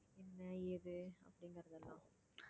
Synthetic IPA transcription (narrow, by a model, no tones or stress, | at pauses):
ɛnːɐɪðɯɐ̰pːɐɽɪŋɡɐɾɯnd̪ɐlːã̰ː